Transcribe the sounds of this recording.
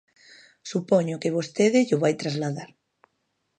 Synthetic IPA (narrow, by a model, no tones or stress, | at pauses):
supoɲʊkeβost̪eðɪʎʊβajt̪ɾazlaðaɾ